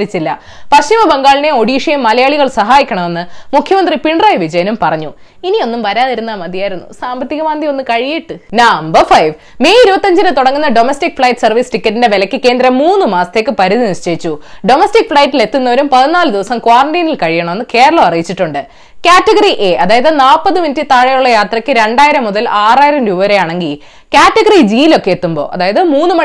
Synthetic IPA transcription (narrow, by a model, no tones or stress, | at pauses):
ɾit͡ɕːilːɐ̰ | pɐɕimɐbɐŋɡaːɭineo̞ɽiːʂɐjɐmːɐlɐjaːɭiɣɐɭsɐɦaːjikʲːɐɳɐme̞nːɨmukʰjɐmɐnd̪ripiɳɖrɐjʋid͡ʑɐjnumpɐrɐɲːu | inio̞nːumʋɐɾaːðiɾunːɐmɐðijaːjiɾunːṵsaːmbɐt̪ːiɣɐʋaːnd̪io̞nːɨkɐɻijiʈːɨnambɐfɐjʋ | meːiɾubɐt̪ːɐɲd͡ʑinɨt̪uɽɐŋːunːɐɖo̞mɐstik̚fɭɐjʈsɐrʋisʈikʲːɐtːindeʋelɐkʲːɨke̞ːnd̪ɾɐmːuːnːɨmaːsɐt̪e̞ːkːɨpɐɾuðiniʂt͡ɕejit͡ɕːuɖo̞mɐstik̚fɭɐjtːile̞t̪ːunːɐʋoɾumpɐðinaːlɨd̪iʋɐsɐmkwaːrɐɳɖiːnilkɐɻijɐɳɐmonːɨke̞ːɾɐɭɐmɐrijit͡ɕːiʈːuɳɖɨ | kʲaːtːɐɣɐriʔeʔɐðaːjɐðɨnaːpːɐðɨminitːit̪aːɻɐjuɭːɐjaːt̪rɐkːɨɾe̞ɳɖaːjiɾɐmːuðɐlaːraːjiɾɐmɾuʋɐɾejaːɳɐŋɡi | kʲaːtːɐɣɐrid͡ʑilo̞kːe̞jet̪ːumbo̞̰ːʔɐ̰ðaːjɐðɨmuːnːɨmɐ